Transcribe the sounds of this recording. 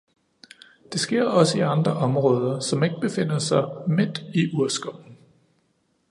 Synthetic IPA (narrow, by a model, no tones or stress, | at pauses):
d̥e̝sɡ̥e̝ɐ̰ɒ̽səiɑ̈nd̥ʁɐʔɒ̽mʁɔːð̞ˠɐsɒ̽me̝ɡ̥əb̥e̝fe̝n̰ɐsɑ̈ɪme̝d̥iʔuɐsɡ̥ɒʊ̰n̩